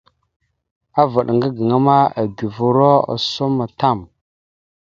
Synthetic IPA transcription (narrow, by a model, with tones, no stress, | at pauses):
a˦va˨ɗŋɡə˦ɡə˨ŋa˦ma˦a˨ɡi˨vu˨ɾo˦a̰˨so˦ma˨ta˦˨m